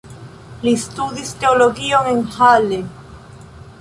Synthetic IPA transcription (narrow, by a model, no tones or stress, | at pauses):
list̪uðist̪eoloɣioŋeŋhale